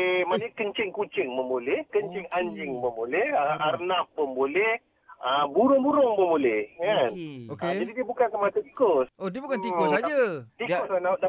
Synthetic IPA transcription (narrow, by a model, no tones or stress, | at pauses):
manəkəɲt͡ʃɪŋkut͡ʃɪŋməmbolɛhkəɲt͡ʃɪŋaɲd͡ʒɪŋməmbolɛhəʔarnaf̚pəmbolɛh | əbuɾʊŋbuɾʊŋməmbolɛhkanokːd͡ʒadidiəbukansəmat̪at̪i̥kʊsodiəbukat̪iʊsd͡ʒat̪ikʊsanaʔda